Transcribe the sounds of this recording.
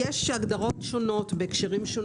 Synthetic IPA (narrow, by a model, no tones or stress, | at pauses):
eʃaɡd̪aʁo̞tʃo̞no̞tbekʃeʁimʃon